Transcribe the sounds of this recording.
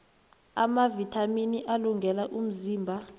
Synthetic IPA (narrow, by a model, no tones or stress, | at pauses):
a̰mavitʰaminiʔaluŋɡʱɛlaʔum̩ziːmbʱa